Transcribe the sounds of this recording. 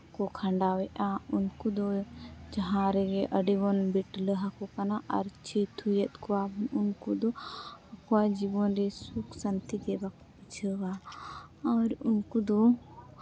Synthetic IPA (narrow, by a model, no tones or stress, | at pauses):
kɔkʰaɳɖawɛʔaunkud̪ɔd͡ʒɐɦãɾɛɡɛʔəɖiwɔnbiʈləɦakɔkanaʔɐɾt͡ʃʰit̪ʰujət̪kɔwabnunkud̪ɔəkɔad͡ʒibɔnɾɛsukʰsənt̪id̪ɛbakɔbit͡ʃʰəwa | aɾunkud̪ɔ